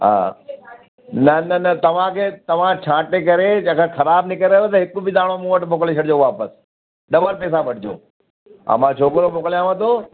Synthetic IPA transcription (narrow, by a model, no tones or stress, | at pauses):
ɦã̰ː | nɐnɐnɐt̪ɐʋ̤ãkʰeːt̪ɐʋ̤ãt͡ɕʰãːʈek̬ɐɾed͡ʑãːkʰãxʰɐɾaːbnɪkəɾeot̪ɐɦɪkubɪd̪aːɽ̃omũːʋɐʈmoːkleʃʰɐɽɪd͡ʑoːʋaːpəs | ɗɐʋəɾpɛːs̬aʋɐʈʰɪd͡ʑo̰ː | ã̰mãt͡ɕʰoːkɾomoːkəljãʋə̃t̪ʰoː